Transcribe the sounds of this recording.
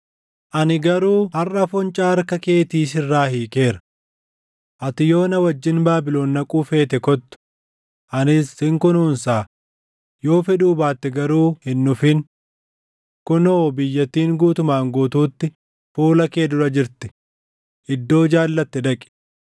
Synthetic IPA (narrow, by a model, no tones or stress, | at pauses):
ʔɐnɪɡɐɾuːhɐrːɐfɔnt͡ʃʼaːɐɾkɐke̞ːt̪iːs̬ɪrːaːhiːke̞ːɾɐ̥ | ʔɐt̪ɪjo̞ːnɐwɐd͡ʒːɪnbaːbɪlo̞ːnːɐkʼuːfe̞ːt̪ɛkɔt̪ːʊ̥ | ʔɐnɪshɪŋkʊnuːnsaː | jo̞ːfɛᶑuːbaːt̪ːɪɡɐɾuːhɪnːʊfɪn | kʊnoːbɪjːɐt̪ːiːŋɡuːt̪ʊmaːŋɡuːt̪uːt̪ːɪ | fuːlɐke̞ːd̪ʊɾɐd͡ʒɪɾt̪ɪ̥ | ʔɪd̪ːo̞ːd͡ʒaːlːɐt̪ːɛd̪ɐkʼɪ̥